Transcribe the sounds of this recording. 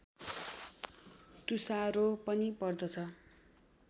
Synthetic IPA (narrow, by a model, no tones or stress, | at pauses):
t̪usaɾopʌnipʌrd̪ʌt͡sʰʌ